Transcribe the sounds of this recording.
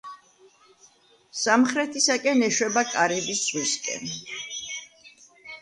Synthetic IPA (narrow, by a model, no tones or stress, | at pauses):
samχɾɛt̪ʰisakʼɛnɛʃwɛbakʼaɾɛbisz̥ʁwiskʼɛ̰n